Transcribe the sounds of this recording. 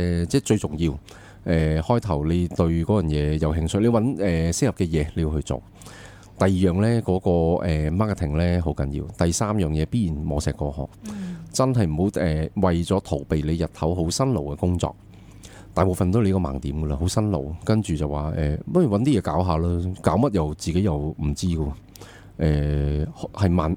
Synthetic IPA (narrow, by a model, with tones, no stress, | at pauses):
t͡sɛː˥˩t͡sɵ˧ɥt͡sʊ˨˩ŋjiː˧w | ʔɛː˨hɔː˥jt̪ʰɐ˨˩wle˨˧jt̪ɵ˧ɥkɔː˨˥jœː˨˩njɛː˨˧jɐ˨˧wɦɪ˧ŋsɵ˨˥le˧wɐ˨˥nɛː˨sɪ˥khp̚kɛː˧jɛː˨˧le˨˧ju˧hɵ˧ɥt͡so̰˨˩w | t̪ɐ˨jiː˨jœː˨˩ŋlɛː˥kɔː˨˥kɔː˧ɛː˨˩maː˥kt̪ʰɪ˨˩ŋlɛː˥ɦo˨˥wkɐ˨˥njḭː˧wt̪ɐ˨jsaː˥mjœː˨ŋjɛː˨˧piː˥jiː˨˩nmɔː˨˧sɛː˨kːɔː˧hɔ̰ː˨˩k̚t͡sɐ˥nɦɐ˨jm̩˨˩ho˨˥wɛː˨˩wɐ˨jt͡sɔː˨˥t̪ʰo˨˩wpe˨jle˨˧jɐ˨t̚hɐ˨˥wɦo˨˥wsɐ˥nlo˨˩wkɛ˧kʊ˥ŋt͡sɔ̰ː˨k̚ | t̪aː˨˩jpo˨˩fɐ˨nt̪o˧le˧kɔː˧ma̰ː˨˩ŋt̪iː˨˥mɡə˧a˧ɦo˨˥wsɐ˥nlo̰˨˩wkɐ˥nt͡ʃyː˨˩t͡sɐ˨waː˨ʔɛː˨mɐ˥˩˨wɐ˨˥nt̪iː˥jɛː˨˧kaː˨˥wɦaː˨˧laː˥kaː˨˥wmɐ˥t̚jɐ˨wt͡siː˨ke˨˥jɐ˨wm̩˨˩t͡siː˥ɡə˧ | ʔɛː˨hhɐ˨jmaː˨n